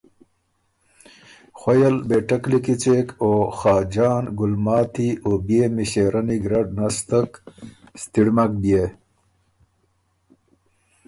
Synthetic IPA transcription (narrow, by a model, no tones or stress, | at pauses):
xwɐjɐlbeʈaklikit͡sekoxɑːd͡ʑɑːnɡʊlmɑːt̪iobjemiɕeːɾaniɡɾaɖnast̪əkst̪iɽmak̚bije